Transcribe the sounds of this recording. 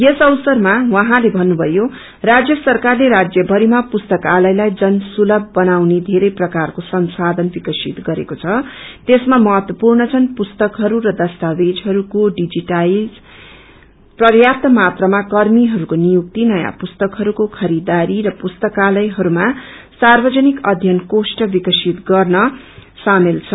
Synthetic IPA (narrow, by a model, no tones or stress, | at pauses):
jesʌwsʌrmawʌɦãlebʱʌnːubʱʌjo | rad͡zjʌsʌrkarleɾad͡zjʌbʱʌɾimapust̪ʌkalʌjlajd͡zʌnsulʌbʱːʌnawned̪ʱeɾʌjprʌkarkosʌnsad̪ʱʌnbikʌsit̪ɡʌɾḛkot͡sʰʌt̪esmamʌɦʌt̪wʌpurnʌt͡sʰʌnpust̪ʌkɦʌɾuɾʌd̪ʌst̪abed͡zɦʌɾukoɖid͡ziʈajl | prʌrjap̚t̪ʌmat̪rʌmakʌrmiɦʌɾukonijuk̚t̪inʌja̰pust̪ʌkɦʌɾukokʰʌɾid̪aɾiɾʌpust̪ʌkalʌjɦʌɾumasarbʌd͡zʌnikʌd̪ʱjʌnkosʈʌbikʌsit̪ɡʌrnʌ | samilt͡sʰʌ